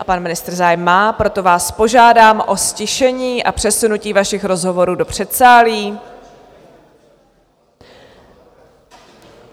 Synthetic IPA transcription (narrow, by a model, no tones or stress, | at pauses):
apanmɪnɪst̪r̩zaːjɛmːaːpɾo̞t̪o̞vaːspo̞ʒaːdaːmʔo̞scɪʃɛɲiːʔapr̥ɛsunuciːvaʃɪxɾo̞zɦo̞vo̞ɾuːdo̞pr̝̥ɛt̪saːliː